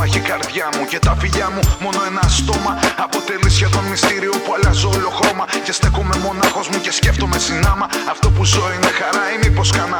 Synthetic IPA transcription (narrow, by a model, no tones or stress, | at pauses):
çikɐɾðʝɐmuce̞t̪ɐfiʎɐmumo̞no̞e̞nɐst̪o̞mɐɐpo̞t̪e̞lisʝɐt̪o̞nmist̪iɾio̞puɐlɐzoloxɾo̞mɐce̞st̪e̞ko̞me̞mo̞nɐxo̞zmuce̞sce̞ft̪o̞me̞sinɐmɐɐft̪o̞puzo̞ine̞xɐɾɐimipo̞skɐnɐ